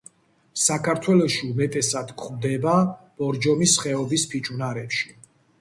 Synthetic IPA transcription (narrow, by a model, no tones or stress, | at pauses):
sakʰaɾt̪ʰwɛlɔʃiumɛt̪ʼɛsad̪̥kʰχmd̪ɛbab̥ɔɾd͡ʒɔmisχɛɔbispʰit͡ʃʼunaɾɛpʃi̥